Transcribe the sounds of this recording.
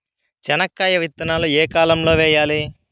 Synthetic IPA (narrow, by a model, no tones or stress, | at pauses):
t͡ʃɛnɐkːaːjɐʋit̪ːɐnaːlueːkaːlɐmlo̞ːʋɛːjaːli